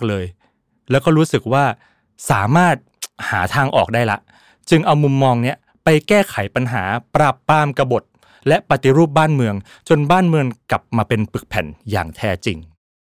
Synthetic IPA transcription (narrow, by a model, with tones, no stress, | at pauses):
k̚lɤː˧j | lɛ˦˥wkɔː˥˩ɾuː˦˥sɯ˨˩k̚waː˥˩ | saː˩˦maː˥˩t̪̚haː˩˦t̪ʰaː˧ŋʔɔ̰ː˨˩k̚daː˥˩jla̰˦˥ʔ | t͡ɕɯ˧ŋʔa˧wmu˧mːɔː˧ŋni˦˥ɐ | pa˧jkɛː˥˩kʰa˩˦jpa˧nɦaː˩˦pɾa˨˩pːaː˧mka˧bo˨˩t̪̚ | lɛ˦˥ʔpa˨˧t̪i˨˦ɾuː˥˩p̚baː˥˩nmɯ˧əŋ | t͡ɕo˧nbaː˥˩nmɯ˧əŋkla˨˩p̚maː˧pe˧npɯ˨˩k̚pʰɛ˩˦nja̰ː˨˩ŋt̪ʰɛː˦˧˥t͡ɕḭ˧ŋ